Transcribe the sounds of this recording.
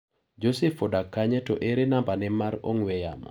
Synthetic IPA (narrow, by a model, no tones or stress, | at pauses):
d͡ʒosɛfɔdakːaɲɛto̰ʔeɾenambanɛmaɾo̰ŋwɛja̰mɔ̰